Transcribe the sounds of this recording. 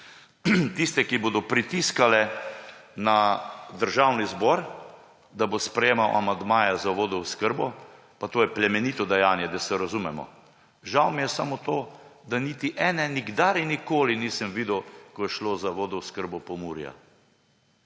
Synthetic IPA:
t̪ist̪ɛkiboːd̪ɔpɾit̪iskalɛ | nad̪əɾʒawnizbɔɾ | d̪abospɾɛjeːmawʔa̰mand̪maːjazaʋoːd̪ɔwʊskəɾbɔ | pat̪oːjɛplɛmɛnit̪ɔd̪ɛjaːnjɛd̪asɛɾazumɛmɔ̰ | ʒawmijɛsamot̪oːd̪anit̪iʔɛːnɛniɡd̪aɾinːikoːliniːsəmʋiːd̪owkɔjɛʃloːzaʋoːd̪ɔwskəɾbɔpɔmuːɾja̰

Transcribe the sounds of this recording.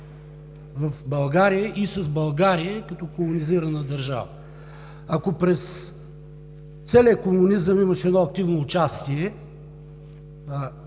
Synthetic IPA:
vɐfbɐlˠɡaɾijəʔisɐzbɐlˠɡaɾijəkɐt̪ɔkolˠʊniziɾɐnəd̪ɐɾʒa̰və̰ | akopɾɛs | t̪sɛliəkomʊnizəmiməʃɛd̪nɔɐk̚t̪ivnoːt͡ʃast̪iɛ

